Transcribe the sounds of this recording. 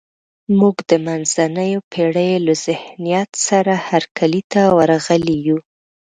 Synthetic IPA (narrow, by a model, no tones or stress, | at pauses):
muɡd̪əmanzanəjopʰeɽəjlaz̥ɪhnijat̪saɾahaɾkʰalit̪awaɾaɣəliju